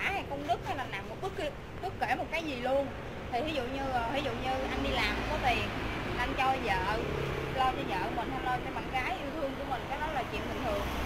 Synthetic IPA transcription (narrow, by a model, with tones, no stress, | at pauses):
aː˧˩ha˧˩jkɔ˧nɗɨ˦˥k̚ha˧jlaː˨˩naː˨˩mmo˨˩t̚ɓɨ˦˥k̚ki˧ | ɓɨ˦˥kːe˧˩mo˨˩t̚kaː˨˦jzi˨˩lu˧ən | t̪ʰi˨˩hi˨˦zṵ˧˨ɲɨː˧˨˩hi˨˦zṵ˧˨ɲɨ˧ʔa˧nɗi˧laː˨˩m˨˩kɔː˨˦t̪i˨˩n˨˩ʔa˧nt͡ɕɔ˧zə̰ː˧˨lo˧t̪ʰi˨˩zə̰ː˧˨ʔmï˨˩n̟hʰnɔ˨˦jsɛ̰˧˥ɓa˨˩ŋkaː˨˦jʔi˧əwt̪ʰɨ˧əŋku˧˩əmï˨˩ŋ̟kaː˨˦jɗɔ˨˦laː˨˩t͡ɕwḭ˧˨nɓï˨˩ŋt̪ʰɨ˨˩əŋ